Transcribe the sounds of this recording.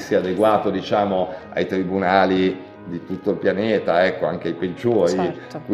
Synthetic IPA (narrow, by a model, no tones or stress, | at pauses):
siad̪eɡwaːt̪od̪it͡ʃaːmoa̰jt̪ɾibunaːli | d̪it̪ut̪ːoilpjanɛːt̪aɛkːoaŋk̟eajped͡ʒoːɾi | k